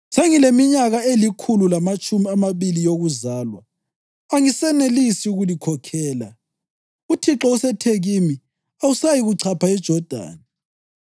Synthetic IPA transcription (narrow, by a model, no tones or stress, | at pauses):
seŋilemiɲaɣaelikʰululamat͡ʃʼumiamaβilijoɣuzaːlwa̰ː | ŋisɛnelisiuɣulikʰɔkʰɛːla̰ | utʰiǁɔusɛtʰeɣimi | ausajiɣuǀʰapʰaɛd̥ʒ̥ʱɔd̥ʱa̰ːna